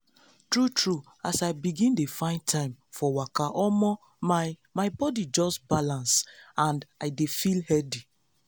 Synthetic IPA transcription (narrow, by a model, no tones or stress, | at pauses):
tɹutɹu | asaɪbiɡĩndefãɪ̃nd̚tʰãɪ̃mfɔwakaʔɔmɔ | mamaɪbɔdid͡ʒɔsbalãnsãndaɪdefilhɛdi